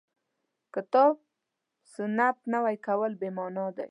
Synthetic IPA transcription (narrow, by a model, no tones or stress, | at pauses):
kɪt̪ɑb̚ | sənap̪̚nəwajkawəlbemɑnɑd̪a̰j